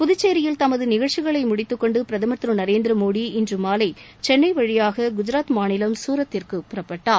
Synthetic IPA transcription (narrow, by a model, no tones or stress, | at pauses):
pʊðɯt͡ʃːeːɾɪjɪlt̪ɐmɐðɯnɪɣɐɻt͡ʃːɪɣɐɭɐɪmʊɽɪt̪ːɯkːɔɳɖɯpɪɾɐðɐmɐt̪ɾɯnɐɾeːnd̪ɾɐmoːɽiɪndrɯmaːlɐɪ | t͡ʃɛnːɐɪʋɐɻɪjaːɣɐɡʊd͡ʒɪɾaːt̪maːnɪlɐmsuːɾɐt̪ːɪrkɯpʊɾɐpːɐʈːaːɾ